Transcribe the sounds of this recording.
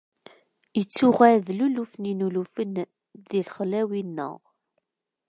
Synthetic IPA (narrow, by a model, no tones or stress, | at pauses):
jət͡sːʊʁæðlulufninulufən | ðilχlæwinːə̰ʁ